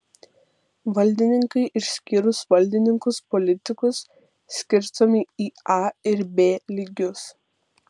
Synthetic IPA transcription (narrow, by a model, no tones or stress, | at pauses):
ʋɐlʲd̪ʲɪnʲɪŋkɐɪʔɪʃʲsʲkʲiːɾʊsʋɐlʲd̪ʲɪnʲɪŋkʊspɔlʲɪt̪ʲɪkʊsːʲ | kʲɪɾst̪omʲɪiːɑɪɾbʲeːlʲiːɡʲʊs